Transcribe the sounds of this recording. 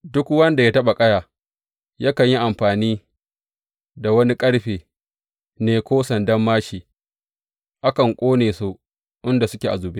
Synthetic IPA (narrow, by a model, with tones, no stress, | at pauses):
dʊ˦kwɐ˦nda˨jaː˦tɐ˦ɓa˨kʼɐ˦jaː˨ | jaː˦kɐ˨ɲji˦ʔa˨mɸaː˨niː˦ | da˨wɐ˦ni˦kʼɐ˦ɽɸeː˨ | neː˦kʷoː˦sɐ˨ndɐ˦mːaː˦ʃiː˨ | ʔa˦kɐ˨ŋkʷʼoː˦neː˨soː˦ | ʔɪ˦nda˨sʊ˦kʲeː˨ʔa˨zʊ˨be˦